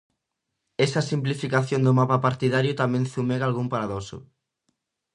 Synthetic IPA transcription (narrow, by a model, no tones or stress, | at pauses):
ɛsasimplifikaθjond̪ʊmapapaɾt̪iðaɾjʊt̪amẽnθumɛɣalɣumpaɾaðosʊ̰